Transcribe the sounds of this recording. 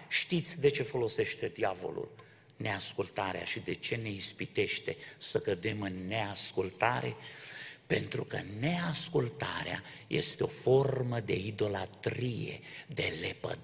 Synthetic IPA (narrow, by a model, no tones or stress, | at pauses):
ʃt̪it̪sʲd̪e̞t͡ʃe̞fo̞lo̞se̞ʃt̪e̞d̪iavo̞̰lṵl | ne̞askult̪aɾea̰ʃid̪e̞t͡ʃe̞ne̞ispit̪e̞ʃt̪e̞səkəd̪e̞mɨnːe̞askult̪aɾʔe̞̰pe̞nt̪ɾukəne̞askult̪aɾea̰ | jʔe̞̰st̪eo̞fo̞rməd̪e̞id̪o̞lat̪ɾije̞̰d̪e̞le̞pə̰